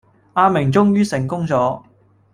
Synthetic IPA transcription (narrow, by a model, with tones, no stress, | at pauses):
aː˧mɪ˨˩ŋt͡sʊ˥ŋjyː˥sɪ˨˩ŋkʊ˥ŋt͡sɔː˨˥